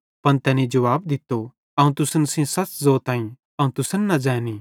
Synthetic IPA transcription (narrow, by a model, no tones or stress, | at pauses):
pɐnt̪ɛːnĩd͡ʒɐʋaːbd̪ɪt̪ːo | ɐũt̪ʊsənsĩsɐt͡szoːt̪ãːĩ | ɐũt̪ʊsənːɐd͡ʒɛ̃ːniː